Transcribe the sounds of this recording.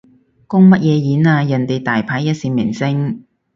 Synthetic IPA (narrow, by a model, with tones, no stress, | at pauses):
kʊ˥ŋmɐ˥t̚jɛː˨˧jiː˨˥naː˧jɐ˨˩nt̪e˨jt̪aː˨˩jpʰaː˨˥jɐ˥t̚siː˧nmɪ̰˨˩ŋsɪ˥ŋ